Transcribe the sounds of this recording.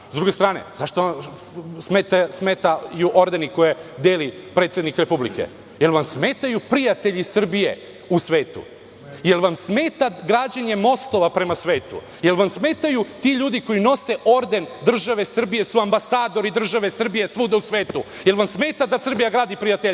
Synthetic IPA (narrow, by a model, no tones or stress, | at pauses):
zd̪ɾuɡe̞st̪ɾaːnḛzaʃt̪oa | smeːt̪asmeːt̪ajuʔo̞ɾd̪e̞niko̞jed̪eːlipɾet̪sje̞d̪nikɾe̞publḭkḛ | je̞lʋamsme̞ːt̪ajupɾijat̪e̞ʎisr̩bije̞̰ | usʋe̞ːt̪ṵ | je̞lʋamsmeːt̪aɡɾaːd͡ʑaɲe̞mo̞st̪oʋapɾe̞masʋe̞ːt̪ṵ | je̞lʋamsme̞ːt̪ajut̪iʎuːd̪iko̞jino̞se̞ʔo̞ɾd̪e̞nd̪r̩ʒaʋe̞sr̩bije̞suambasaːd̪o̞ɾid̪r̩ʒaʋe̞sr̩bije̞sʋuːd̪ausʋeːt̪u | je̞lˠʋamsmeːt̪ad̪asr̩bijaɡɾaːd̪ipɾijat̪eʎ